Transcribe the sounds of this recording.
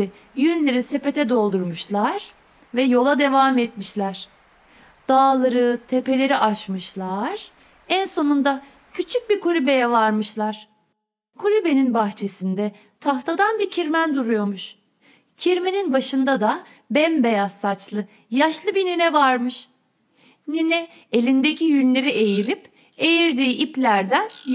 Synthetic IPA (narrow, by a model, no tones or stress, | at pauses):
jynlʲeɾise̞pe̞t̪ʰɛd̪o̞lˠd̪uɾmuʃlˠaɾ̥ | vɛjo̞lˠad̪e̞vamɛt̪miʃlʲæɾ̥ | d̪̥aːlˠaɾɯt̪ʰe̞pe̞lʲe̞ɾiʔat͡ʃmɯʃlˠaɾ̥ænso̞nund̪acʰyt͡ʃʰyc̚biɾkʰulʲybe̞jɛvaɾmɯʃlˠaɾ̥ | kʰulʲybe̞ninbaxt͡ʃʰe̞sind̪ɛ | t̪ʰaft̪ʰad̪anbicʰiɾmænd̪uɾujo̞ɾmuʃ | cʰiɾmeninbaʃɯnd̪ad̪a | bɛnbe̞jasːat͡ʃlˠɯ | jaʃlˠɯbinenɛvaɾmɯʃ | nenɛ | elʲind̪e̞cʰijynʲlʲe̞ɾiʔe̞jiɾip | e̞jiɾd̪iːʔiplʲæɾd̪æn